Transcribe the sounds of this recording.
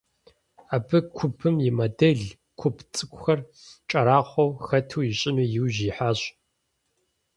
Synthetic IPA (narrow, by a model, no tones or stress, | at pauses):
aːbɨkʷʰʊpʰɨmjɪmɐdɐɮ | kʷʰʊpʰt͡sʼɨkʷʼʊxɐr | t͡ʃʼɐɾaːχʷɔwxɐtʰuːjɪɕʼɪmijɪwʑiːħaːɕʼ